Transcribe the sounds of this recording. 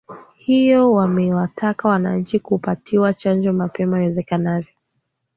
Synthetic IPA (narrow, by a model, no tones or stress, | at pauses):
hijɔwamɛwatʰakawanaɲ̩t͡ʃikupatʰiwat͡ʃand͡ʒɔmapɛmaiwɛzɛkanavjɔ